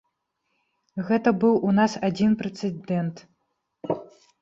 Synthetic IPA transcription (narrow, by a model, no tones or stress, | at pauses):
ɣɛt̪ɐbɨwʔunasad͡zʲinpɾɛt̪sɛd̪ɛnt̪